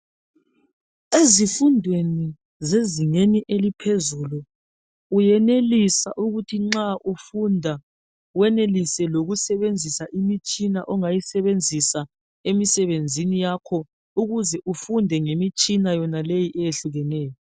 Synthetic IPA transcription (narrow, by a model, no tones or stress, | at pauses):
ezifundʱweni | zeziŋeniʔelipʰezuluː | jɛnelisa̰ʔuɣutʰiŋ͡ǁaʔufundʱa | wɛnelisɛloɣusɛβend͡zʱisaʔimit͡ʃʼinaʔɔŋajisɛβend͡zʱisa | emisɛβend͡zʱinijakʰɔ | uɣuzɛʔufundʱɛŋemit͡ʃʼinajɔnalejiʔɛjeɬuɣɛnɛːjɔ